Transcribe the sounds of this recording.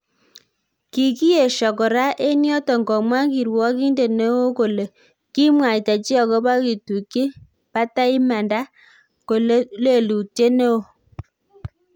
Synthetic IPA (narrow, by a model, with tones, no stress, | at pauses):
ki˨ki˦e˨ʃɔ˨kɔ˨ɾa˦ʔe˦njɔ˦tɔ˨ŋɡɔ˨mwa˦ki˨ɾwɔ˦ki˦nde˨ne˦o˦ko˨le˨ | ki˦mwa˨i˨ta˨t͡ʃi˦ɔ˨kɔ˦ba˦ki˨tu˨ke˦ | pa˦ta˦i˦ma˨nda˦ | ko˨lle˦˨lu˨te˦ne˦o˨